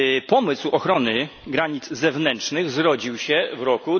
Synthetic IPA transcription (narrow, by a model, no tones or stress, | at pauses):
pɔmɘswɔxɾɔnɘɡɾaɲid̪zzɛvnɛntt͡ʂnɘɣzɾɔd͡ʑiwɕɛvɾɔku